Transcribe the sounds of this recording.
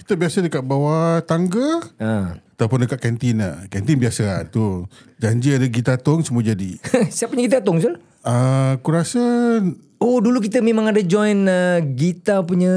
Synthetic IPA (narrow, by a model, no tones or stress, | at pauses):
ki̥t̪əbiasədəkaʔ̪̚bawat̪aŋɡəəat̪awpʊndəkaʔ̪̚kɛnt̪ina̰kɛnt̪inbiasat̪u | d͡ʒaɲd͡ʒiadaɡit̪at̪ɔŋsəmuəd͡ʒadisaʔpuɲəɡit̪̬at̪ɔŋsul | əkuɾasə | oduluk̬it̪əmẽmãŋadad͡ʒɔjnəɡit̪apuɲə